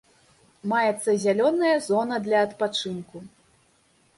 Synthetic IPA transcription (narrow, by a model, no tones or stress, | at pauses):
majɛt̪sːɐzʲalʲɔnɐjɐzɔnɐd̪lʲɐːt̪pat͡ʂɨnku